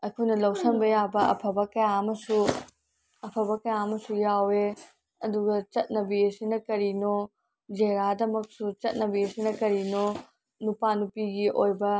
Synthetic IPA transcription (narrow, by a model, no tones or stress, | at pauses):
ɐkʰujnɐlɐwsɐnbɐjabɐɐ̰pʰɐbɐkɐjaɐmɐsu | ɐpʰɐbɐkɐjaɐmɐsujawe | ɐduɡɐt͡ʃɐt̚nɐbiesinɐkɐɾino | d͡ʒeɾadɐmɐk̚sut͡ʃɐt̚nɐbiɐsinɐkɐɾino | nupanupiɡiʔojbɐ